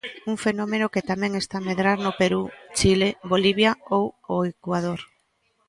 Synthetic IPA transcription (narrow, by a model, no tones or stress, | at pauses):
uŋfenomenoket̪amɛ̃ŋest̪ameðɾaɾnopeɾut͡ʃileboliβ̞jaowoekwað̞oɾ